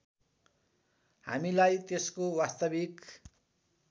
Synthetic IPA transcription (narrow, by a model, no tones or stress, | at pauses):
ha̰milajt̪eskowast̪ʌbik